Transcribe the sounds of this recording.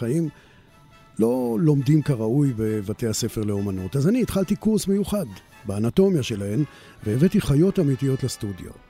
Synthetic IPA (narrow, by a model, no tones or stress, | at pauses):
aim | lo̞lo̞mdimkaʁaujbe̞vatehase̞fe̞ʁle̞o̞manotazaniːt̪χaltikuʁsmejuχad | beanato̞mjaʃe̞lahe̞m | veːvetiχajo̞tamitijo̞tlestudjo̰